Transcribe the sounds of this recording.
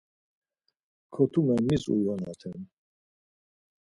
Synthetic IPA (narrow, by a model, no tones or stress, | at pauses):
kʰɔt̪ʰumamːisṵwana̰t̪ʰɛn